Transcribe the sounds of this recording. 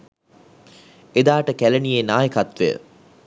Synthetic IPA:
ed̪aːʈəkælenijenaːjekat̪ʋḛjə̰

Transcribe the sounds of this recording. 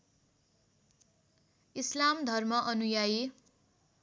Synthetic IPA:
islamd̪ʱʌrmʌʔʌnujaje

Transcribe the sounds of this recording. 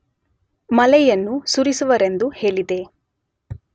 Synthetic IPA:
mɐlɛjɐnːusuɾisuʋɐɾe̞nd̪uhe̞ːɭid̪e̞

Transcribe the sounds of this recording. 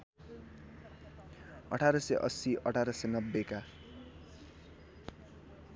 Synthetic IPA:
ʌʈʰaɾʌseʔʌ̰siʔʌʈʰaɾʌsenʌbːeka

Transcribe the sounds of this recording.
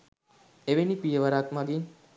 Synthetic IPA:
eʋenipijəʋaɾakmaɡin

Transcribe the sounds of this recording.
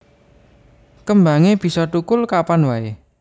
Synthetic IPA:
kəmbaŋeb̥i̤sɔt̪ukʊlkapanwae

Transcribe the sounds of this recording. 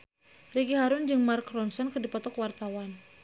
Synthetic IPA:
riɡiɦaɾʊnd͡ʒɨŋmarkrɔnsɔnkədipɔt̪ɔkwart̪awan

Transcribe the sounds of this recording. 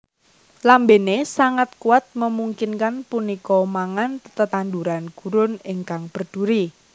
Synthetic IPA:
lambenesaŋat̪̚kuat̪̚məmuŋkɪnkanpunikɔmaŋant̪ət̪and̪uɾanɡ̥ṳɾʊnɪŋkaŋb̥ə̤rd̪̥ṳɾi

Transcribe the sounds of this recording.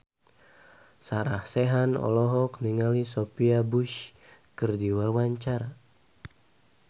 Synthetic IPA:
saɾahsɛɦanɔ̰lɔɦɔkniŋalisopiabuʃkɨrdiwawaɲt͡ʃaɾa

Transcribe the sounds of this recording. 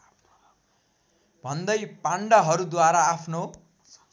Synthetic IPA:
bʱʌnd̪ʌjpaɳɖʌɦʌɾud̪waɾaːpʰno

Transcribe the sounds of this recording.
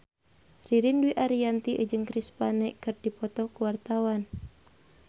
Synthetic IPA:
riɾinduiʔaɾiant̪iʔə̰d͡ʒɨŋkɾispanɛʔkɨrdipɔt̪ɔkuwart̪awan

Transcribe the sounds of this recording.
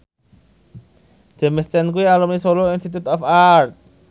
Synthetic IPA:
d͡ʒ̥ɛ̤məst͡ʃɛnkuwialumisoloinst̪it̪ut̪ɛfar̚

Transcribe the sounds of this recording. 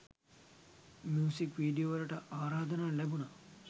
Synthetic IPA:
mjuːsikʋiːɖijoːʋɐlɐʈɐʔaːɾaːd̪ɐnaːlɛbunɐ

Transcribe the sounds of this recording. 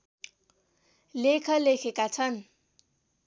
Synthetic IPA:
lekʰʌlekʰekat͡sʰʌn

